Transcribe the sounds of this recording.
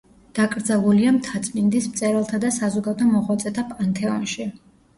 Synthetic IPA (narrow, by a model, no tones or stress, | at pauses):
d̪̥akʼɾd̪zalˠuliamt̪ʰat̪sʼmind̪ismt̪sʼɛɾalˠt̪ʰad̪asazɔɡad̪ɔmɔʁwat̪sʼɛt̪ʰapʼant̪ʰɛɔ̰nʃi